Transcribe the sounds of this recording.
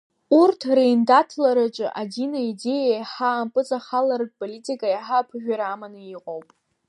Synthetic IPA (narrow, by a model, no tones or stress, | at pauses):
urtʰrejndatʰlaɾat͡ʃʼɨ̰ʔadinaide̞jajħaːmpʼɨt͡sʼaχalard̚ʼpʼolitʼikʼajaħapʰʒᶣaɾamanɨiqʼowpʼ